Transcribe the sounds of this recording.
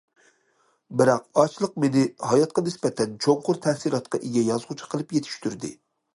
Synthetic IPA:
bɪɾɑqɑt͡ʃʰlˠəq̚menɪhɑjɑt̪̚qɑnɪsbɛt̪ʰɛnt͡ʃʰoŋqʊɾt̪ʰɛhsiɾˠɑt̪qʰɑʔeɡʲɛjɑzʁʊt͡ʃʰɑ̥qʰəlˠɨpjet̪ʰy̥ʃt̪ʰyɾd̪ɪ̰

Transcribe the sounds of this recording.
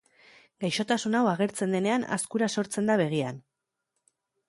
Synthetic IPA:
ɡajʃo̞t̪asunawaɣ̞e̞ɾt͡se̞nd̪e̞ne̞ana̰skuɾaso̞ɾt͡se̞nd̪aβ̞e̞ɣ̞ian

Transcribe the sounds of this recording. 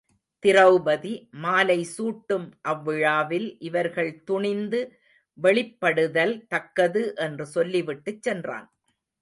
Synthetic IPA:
t̪ɪrɐʊbɐðimaːlɐɪsuːʈːɯmʔɐʋːɪɻaːʋɪlʔɪʋɐɾɣɐɭt̪ʊɳɪnd̪ɯ | ʋɛɭɪpːɐɽɯðɐlt̪ɐkːɐðɯʔɛndrɯsɔlːiʋɪʈːɯt͡ʃːɛndra̰ːn

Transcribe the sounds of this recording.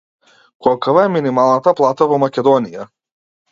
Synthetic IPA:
kɔlkavaɛminimalˠnat̪aplˠat̪avɔmakʲɛd̪ɔnija

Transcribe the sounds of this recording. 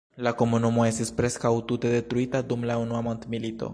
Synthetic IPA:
lakomunumoest̪ispɾeskawt̪ut̪eðet̪ɾuit̪ad̪umlaunuamont̪milit̪o̰

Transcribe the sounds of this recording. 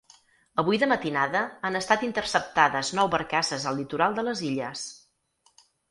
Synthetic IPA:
əβujðəmət̪inaðəanəst̪at̪int̪ərsəp̚t̪aðəznɔwβəɾkasəzəlːit̪uɾalˠd̪ələziʎəs

